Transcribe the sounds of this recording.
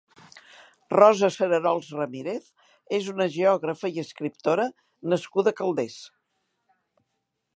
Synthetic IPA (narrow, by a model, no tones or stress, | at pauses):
rɔzəsəɾəɾɔlˠzrəmiɾeθ | ezunəʒeɔɣɾəfəiəskɾipt̪oɾə | nəskuðəkəlˠd̪es